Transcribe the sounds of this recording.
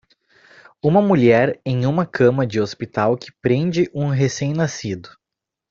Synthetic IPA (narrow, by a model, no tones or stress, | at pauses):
ũmɐmuʎɛɾẽj̃ũmɐkʰɐ̃mɐd͡ʒɪospit̪awkɪ̥pɾẽnd͡ʒɪʔũɦesẽj̃nasid̪ʊ